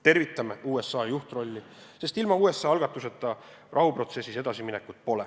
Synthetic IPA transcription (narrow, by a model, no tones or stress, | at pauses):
t̪e̞rvit̪ːˑɑmeuːe̞sːɑːjuht̪ro̞lʲːi | se̞st̪ilmɑuːe̞sːɑɑlɡ̥ɑt̪ːˑuse̞t̪ːˑɑ | rɑɦupro̞t̪se̞sːise̞d̪̥ɑsiminekːˑut̪̚po̞le